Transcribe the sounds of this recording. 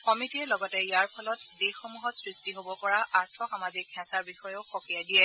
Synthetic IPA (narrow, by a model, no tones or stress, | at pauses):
kɔmitiɛlɔɡɔtɛjaɹpʰɔlɔtdexomuɦɔtsɹistiɦobɔpɔɹaʔaɹtʰɔxamazikhɛ̃saɹbixɔjɔʊxokijadijɛ